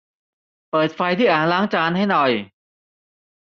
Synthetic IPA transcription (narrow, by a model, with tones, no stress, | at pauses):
pɤː˨˩t̪̚fa˧jt̪ʰiː˥˩ʔaː˨˩nlaː˦˥ŋt͡ɕaː˧nha˥˩jnɔ˨˩j